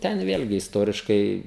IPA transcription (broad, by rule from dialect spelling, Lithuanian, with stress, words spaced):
ˈtʲɛn ˈʋʲeːlʲɡʲɪ ɪsˈtoːrʲɪʃkɐɪ